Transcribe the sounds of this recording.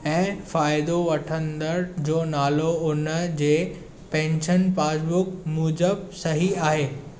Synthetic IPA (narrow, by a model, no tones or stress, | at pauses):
ɛ̃ːfaːɪd̪oʋɐʈʰə̃nd̪əɾd͡ʑoːnaːloʊnə̆d͡ʑeː | pɛ̃ːɲʃənpaːd͡ʑbʊkmuːd͡ʑəbsɐɦiaːɦeː